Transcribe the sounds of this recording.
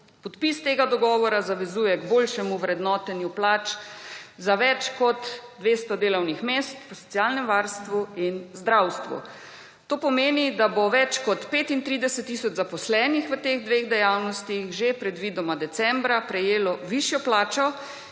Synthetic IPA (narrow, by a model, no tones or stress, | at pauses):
pɔt̪pist̪eːɡad̪ɔɡɔːʋɔɾazaʋɛzuːjɛɡboːlʃɛmuʋɾɛd̪nɔːt̪ɛnjuplaːt͡ʃ | zaʋɛt͡ʃkɔt̪d̪ʋeːst̪ɔd̪eːlɔwnixmeːst̪ʋəsɔ̥t̪sijalnɛmʋaɾst̪ʋuinzd̪ɾawst̪ʋṵ | t̪oːpɔmeːnid̪aboʋɛt͡ʃkɔt̪peːt̪int̪ɾiːd̪ɛsɛt̪ːisɔd͡ʒzapɔslɛːnixʋət̪eɣd̪ʋeːd̪ɛjawnɔst̪ixʒepɾɛd̪ʋiːd̪ɔmad̪ɛsɛmbɾapɾɛjeːlɔʋiʃjɔplaːt͡ʃɔ